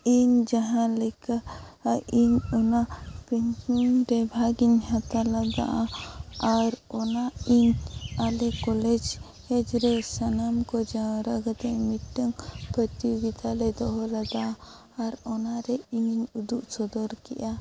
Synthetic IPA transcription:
iɲd͡ʒaɦãlɛka | iɲɔnapiɲt͡ʃimɾɛbʱaɡiɲhat̪alad̪a̰ʔaaɾɔnaiɲalɛkɔlɛd͡ʒ | hɛd͡ʒɾɛsanamkɔd͡ʒaɾəɡat̪ɛmiʈːəŋpət̪ibid̪alɛd̪ɔɦɔlad̪aʔaː | ɾɔnaɾɛiɲɲud̪uʔsɔd̪ɔɾkɛʔa

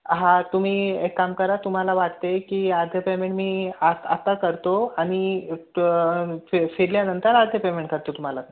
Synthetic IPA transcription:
ɦãt̪um̤iːekːamkəɾat̪um̤alaʋaʈt̪ekiːaɾd̪ʱjəpemẽɳʈmiːaat̪akəɾt̪oaɽ̃i | efeɽljanənt̪əɾaɾd̪ʱjəpemẽɳʈ̚kəɾt̪ot̪um̤ala

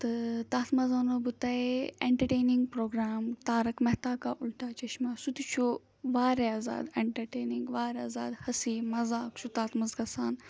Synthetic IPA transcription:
t̪ɨt̪aːt̪mɐzɐnobɨt̪ɐeeɳʈɐʈeːniŋɡ̚pɾoːɡɾaːmt̪aːɾɐkmɐɦt̪aːkaːʔulʈaːt͡ʃɐʃmaːsut̪it͡ʃʰu | ʋaːɾeaːza̰ːd̪eɳʈɐɾʈeːniŋɡʋaːɾaːza̰ːd̪hɐsiːmɐzaːkt͡ʃʰut̪aːt̪mɐzɡɐsaːn

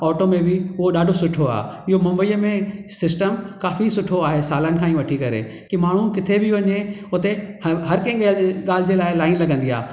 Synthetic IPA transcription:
ɔːʈomẽbɪʊɦoɗaːɖʱosʊʈʰoa̰ːɪɦomɐ̃mbəiːəmẽsɪsʈəmkaːfisʊʈʰoaːɦesaːlənɪ̆kʰãːĩːʋɐʈʰikɐɾḛ | kimaːɳ̤ukɪt̪ʰebʱɪʋɐɲe | ʊt̪eɦɐɾkɐ̃ɪ̃ɠaːl̤ɪd͡ʑelaːɪlaːɪnlɐɡʱə̃nd̪ia̰ː

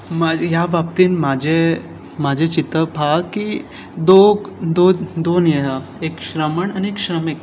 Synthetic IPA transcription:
majabapt̪inmad͡ʒe | mad͡ʒet͡ʃit̪əbʱaɡki | d̪od̪od̪onjəɦa | ekʃɾɐməɳɐneːkʃɾəmik

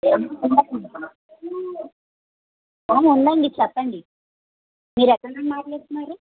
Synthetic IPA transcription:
enund̪ɐ | oːmund̪ɐɳɖit͡ʃɛpːɐɳɖi | miːɾɛkːɐɳɡanmaːʈleːst̪unːaːɾu

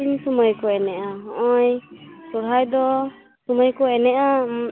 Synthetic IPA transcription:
insɔmɔjkɔɛnɛʔaɦɔʔɔjsɔɽ̤ajd̪ɔ | sɔmɔjkɔɛnɛʔa

